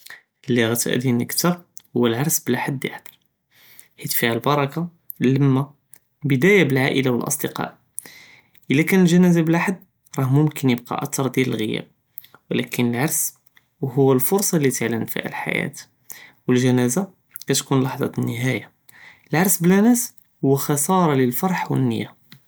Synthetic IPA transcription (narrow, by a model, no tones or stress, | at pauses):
əlːəɣæt̪ʔæ̰d̪inəkt̪əɾˤhʊwːælʕɑɾˤsbəlaħad̪ːjə̰ħd̪ɑɾˤ | ħit̪fihælbɑɾˤɑka | ləmːa | bəd̪æjabəlʕaʔə̰lawəlʔɑ̰sˤd̪əqɑ̰ʔ | ʔəlːækænəlʒænæzablaħad̪ː | ɾˤɑhmʊmkʰənjəb̚qɑ̰ʔæt̪ɑɾˤd̪jæləlɣəjæ̰b̚ | wəlækənəlʕɑɾˤs | hʊwːælfʊɾˤsˤɑlːit̪əʕlənfḭhæ̰lħa̰jæ̰t̪ | wəlʒænæza | kæt̪kunlɑħd̪ˤɑ̰ənːəɦæja | əlʕɑɾˤsblænæs | hʊwːaxɑsˤɑɾˤɑləlfɑɾˤħwə̰nːəjːa